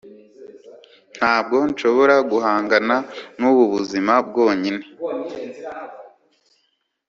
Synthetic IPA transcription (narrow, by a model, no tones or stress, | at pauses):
n̥haːb̚ɡo̞nʃo̞βo̞ɾaɡuhaːŋɡananuβuβuzimab̚ɡo̞ːɲine̞